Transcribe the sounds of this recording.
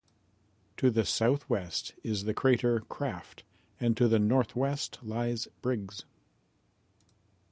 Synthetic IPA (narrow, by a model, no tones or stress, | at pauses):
tʰɨðɨsaʊθwɛstɪzðɨkʰɹ̥eɪɾə˞kʰɹ̥æft | ɨ̃ntʰɨðɨnɔɹθwɛstʰlaɪzb̥ɹɪɡz̥